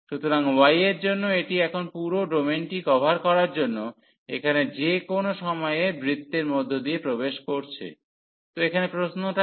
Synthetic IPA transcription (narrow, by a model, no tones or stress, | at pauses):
ʃut̪oɾaŋwajeɾd͡ʑonːoeʈiɛkʰonpuɾoɖomenʈikɔbʱaɾkɔɾaɾd͡ʑonːo | ḛkʰaned͡ʑekonoʃɔmɔeebɾit̪ːeɾmod̪ʱːod̪iepɾobeʃkoɾt͡ɕʰḛ | t̪oekʰanepɾoʃnoʈa